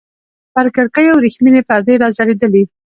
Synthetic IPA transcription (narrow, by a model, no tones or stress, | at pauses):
paɾkəɽkəjawɾixminepaɾd̪ejɾɑzaɽed̪əli